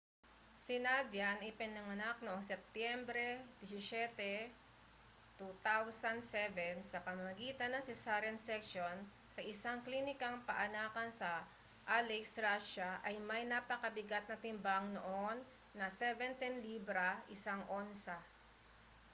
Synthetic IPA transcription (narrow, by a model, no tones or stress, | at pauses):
sɪnad̪janɪpɪnɐŋɐnak̚noʔoŋsɛp̚t̪jɛmbɾɛd̪ɪsɪsɛt̪ɛ | t̪ut̪awsɐnd̪sɛvɛnsɐpɐmɐmɐɡiːt̪ɐnːɐŋsɪsaɾɛnsɛkʃon | sɐʔɪsaŋklinɪkɐŋpɐʔɐnaːkɐnsɐ | ʔalɛksɾaʃaʔɐjmɐjnapɐkɐbɪɡat̪̚nɐt̪ɪmbaŋnoʔonː | ɐsɛvɛnt̪ɛnlibɾaʔɪsaŋʔonsa